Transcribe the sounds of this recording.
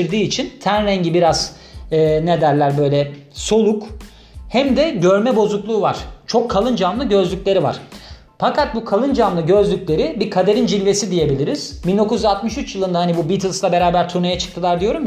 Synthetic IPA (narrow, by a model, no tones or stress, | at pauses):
iɾd̪iːt͡ʃʰint̪ʰænɾɛɲɟibiɾaz̥ | ɯːne̞d̪æɾlʲæɾbø̞jlʲɛso̞lˠuk | hæmd̪ɛɟøɾmɛbo̞zuklˠuːvaɾ̝̥t͡ʃʰo̞kʰːalˠɯnd͡ʒamlˠɯɟø̞zlʲyclʲe̞ɾiva̰ɾ̥ | fakat̪̚bukʰalˠɯnd͡ʒamlˠɯɟø̞zlʲycʲlʲe̞ɾibikʰad̪e̞ɾind͡ʒilʲve̞sid̪ije̞bilʲiɾiz̥bind̪o̞kuzyzat̪mɯʃyt͡ʃjɯlˠɯnd̪ahanibubit̪ʰilˠslˠabe̞ɾaːbæɾt̪ʰuɾnajat͡ʃʰɯ̥k̚t̪ʰɯlˠaɾd̪ijo̞ɾum